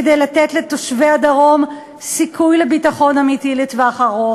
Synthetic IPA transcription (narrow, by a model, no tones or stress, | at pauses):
dejlat̪etle̞to̞ʃvead̪aʁo̞m | sikʰujle̞bitaχo̞namitilitveaχaʁo